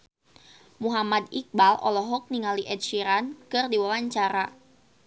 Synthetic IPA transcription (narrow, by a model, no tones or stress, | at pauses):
muɦamad̪ik̚balʔɔ̰lɔɦɔk̚niŋaliʔɛd̚ʃiɾankɨrdiwawaɲt͡ʃaɾa